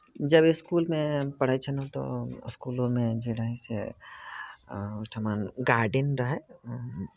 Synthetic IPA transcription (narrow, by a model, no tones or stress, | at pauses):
d͡ʒɐbɪskuːlmẽpɐɽ̤aːit͡ʃʰənot̪o̰ɪ̰skuːlõmẽd͡ʒeɽaːisḛ | ʊʈ̪ʰəmaːnɡaːɾɖɪnɾɐɦɛ